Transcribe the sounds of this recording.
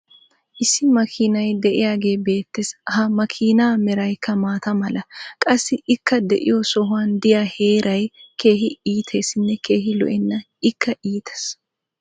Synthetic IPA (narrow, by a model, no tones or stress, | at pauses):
ʔɪsːɪmɐkʰiːnɐjd̪ɛʔɪ̰jaːɡe̞ːbe̞ːt̪ːɛshɐmɐkʰiːnaːmɛɾɐjkːɐmaːt̪ɐmɐlɐkʼɐsːɪʔɪkːɐd̪ɛ̰ʔɪ̰jɔsɔɦʊwɐnd̪ɪjaːhe̞ːɾʔɐjke̞ːɦɪiːt̪ʰe̞ːsɪnːɛke̞ːɦɪlɔ̰ʔɛnːɐ | ɪkːɐʔiːt̪ʰɐ̥s